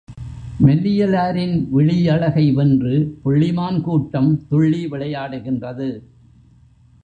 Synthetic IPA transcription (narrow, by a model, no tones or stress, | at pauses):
mɛlːɪjɐlaːɾɪnʋɪɭɪjɐɭɐɣɐɪʋɛndrɯpʊɭːɪmaːnkuːʈːɐmt̪ʊɭːiʋɪɭɐjaːɽɯɣɪndrɐðɯ